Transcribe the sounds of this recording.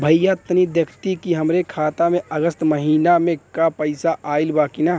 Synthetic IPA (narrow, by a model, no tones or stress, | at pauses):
bʱəjjat̪nid̪jɐkʰt̪ikiɦɐmɾekʰaːt̪amẽəɡəst̪məɦiːnamẽkapəɪsaʔaːɪlbaːkina